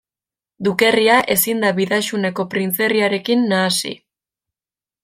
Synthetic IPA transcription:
d̪uke̞riaʔe̞sind̪aβiðaʃune̞ko̞pɾint͡se̞riaɾe̞kinːaːsḭ

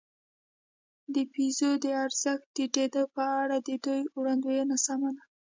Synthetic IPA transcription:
d̪əpizod̪əaɾz̥əxt̪̚d̪əʈed̪əpəaɽad̪əd̪ujwɽand̪ujanasamana

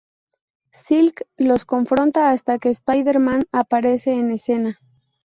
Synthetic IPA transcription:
silklo̞sko̞ɱfɾõ̞nt̪aːst̪ake̞ːspajðe̞ɾmãnapaɾe̞se̞ːne̞se̞na

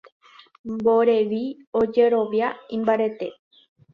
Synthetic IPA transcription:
mboɾe̞ʋiod͡ʒe̞ɾo̞ʋjaĩmbaɾet̪e

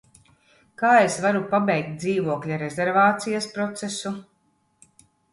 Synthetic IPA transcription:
kaːesvaɾupabɛjk̚t̪̚d̪ziːvuɔklʲaɾezʲeɾvaːt̪sijɐspɾɔt̪sesu

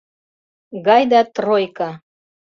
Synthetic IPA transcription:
ɡɑjd̪ɑt̪rojkɑ

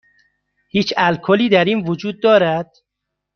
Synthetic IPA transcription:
hiːt͡ʃælkʰoliːd̪æɾiːnvod͡ʒuːd̪̚ːɒːɾæd̪̥

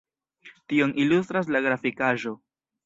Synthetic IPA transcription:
tio̞nʔilust̪ɾas̬laɡɾafikaʒo̞

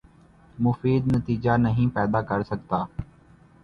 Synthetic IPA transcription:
mʊfiːd̪nət̪iːd͡ʒaːnəɦĩːpɛːd̪aːkəɾsəkt̪aː

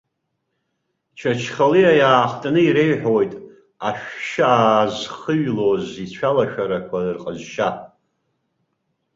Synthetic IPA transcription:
t͡ʃʰat͡ʃʰχaliajaːχtʼanɨiɾeɥħojtʼ | aʃᶣʃaːzχəɥlozit͡ɕʷʰalaʃᶣaɾakʷʰaɨrqʼəzʃa

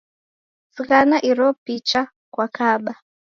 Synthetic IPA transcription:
sɣanaʔiɾɔpit͡ʃa | kwakʰaɓa

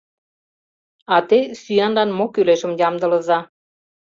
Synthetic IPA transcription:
ɑt̪esyjɑnlɑnmokyleʃə̆mjɑmd̪ə̆lə̆zɑ

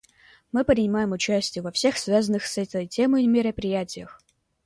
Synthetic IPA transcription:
mɨpɾʲɪnʲɪmajɪmʊt͡ɕæsʲtʲɪjəvɐfsʲe̞xsvʲazənːɨxsɛt̪ʲəjtʲeməjmʲɪɾəpɾʲɪjætʲɪjəx

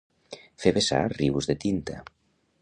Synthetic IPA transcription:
feβesa̰riβuzðet̪int̪a̰

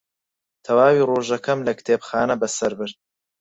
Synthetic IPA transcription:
t̪ʰɐwaːwiːroːʒɐkʰɐmlɐkt̪ʰeːbxaːnɐbɐsɐɾbɨɾd̪̥̚

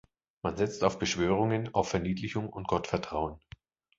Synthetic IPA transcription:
manzɛt͡staʊfb̥əʃv̥øːʁʊŋənaʊfɛɐniːtlɪçʊŋʊnt̚ɡ̥ɔtfɛɐtʁ̥aʊən

